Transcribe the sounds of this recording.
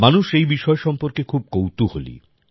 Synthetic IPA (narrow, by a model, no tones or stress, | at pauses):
manuʃejbiʃɔeʃɔmpoɾkekʰub̚kowt̪oholḭ